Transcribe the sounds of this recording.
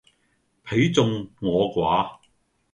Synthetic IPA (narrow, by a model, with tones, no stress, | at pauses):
pʰe˨˥jt͡sʊ˧ŋːɔː˨˧kwaː˨˥